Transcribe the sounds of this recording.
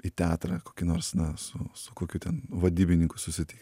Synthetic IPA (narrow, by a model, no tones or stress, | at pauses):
iːt̪ʲæːt̪ɾɐkoːkʲɪnoːɾsnɐsʊsʊkoːkʲuːt̪ʲɛnʋɐd̪ʲiːbʲɪnʲɪŋkʊsʊsʲɪt̪ʲɪk